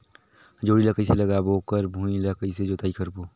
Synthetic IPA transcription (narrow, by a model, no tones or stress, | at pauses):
d͡ʒoːɽiləkəɪseləɡaːbokəɾbʱũiləkəɪsed͡ʒoːt̪aːikəɾboː